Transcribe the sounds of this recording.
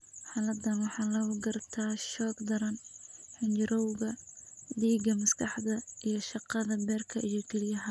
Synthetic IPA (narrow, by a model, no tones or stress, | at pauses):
ħɑːlɐd̪ɐnwɑħɑːlɐɣʊɡɐrt̪ʰaːʃɔːɡd̪ɐɾɐnħɪnt͡ʃɾɔwɣɐd̪iːɡɐmɐskʰɑħðɐʔijɞʃɑqɑðɐbɛːrkʰɐʔijɞkʰɛlɪjɐɦɐ